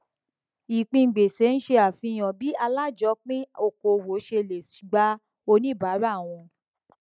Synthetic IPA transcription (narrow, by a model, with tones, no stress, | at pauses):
i˨k͡pĩ˧ŋ̩˨ɡ͡be˨se˨˦n̩˦ʃe˧a˨fĩ˧˨j̃ɔ̃˨bi˨˦a˧la˦˨d͡ʒɔ˨˧˦k͡pĩ˦o˧˨ko˨wo˨˦ʃe˧le˨si̥˨ɡ͡ba˦ | o˧nĩ˦ba˨˦ɾa˦˨w̃ɔ̃˧